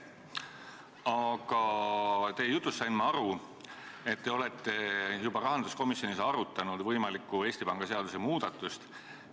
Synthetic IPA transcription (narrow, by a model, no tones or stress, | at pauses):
ɑɡ̥ɑt̪e̞jejut̪ˑːusːɑjnmɑɑɾu | e̞t̪ːe̞o̞le̞t̪ːe̞jubɑɾɑɦɑnd̪usko̞misjo̞nʲisɑɾut̪ːˑɑnud̪̥vɤjmɑlikːue̞ːsʲt̪ipɑŋɡ̥ɑse̞ɑd̪̥usemuːd̪̥ɑt̪ːˑust̪